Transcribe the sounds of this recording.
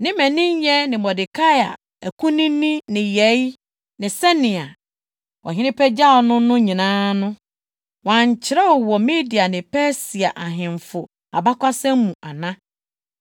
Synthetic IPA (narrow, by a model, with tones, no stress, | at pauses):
nɪ̃˦mɛ̃˨nɪ̃˦ɲ˦jɛ˦nɪ̃˨mɔ˨dɪ˨kʰa˦ja̰˨ | æ˨kʰũ˦nĩ˦nĩ˦nɪ̃˨jɛ˨˦j | nɪ̃˨sɛ˦nɪ̃˨a˨ | wɔ̰˨ɦɪ̃˦nɪ̃˦pʰɛ˦d͡ʑa˦ɔ˨nʊ̃˦nʊ̃˦ɲĩ˨nãː˦nʊ̃˦ | wã˨ɲ˨t͡ɕʰɪ˦ɾɛ˦wɔ˨wɔ˨me˦di˨a˨nɪ̃˨pʰɛ˦si˨a˨ʔa˨ɦɪ̃˨ɱfʊ˨ | a̰˨ba˦kʷa˦sɛ̃˦m˦mːũ˨ʔa˨nã˦